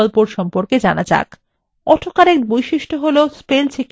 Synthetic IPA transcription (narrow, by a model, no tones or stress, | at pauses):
ɔlpoɾʃɔmpoɾked͡ʑanad͡ʑa̰k | ɔʈʰokaɾekbojʃiʃʈʰoɦolospelt͡ɕʰek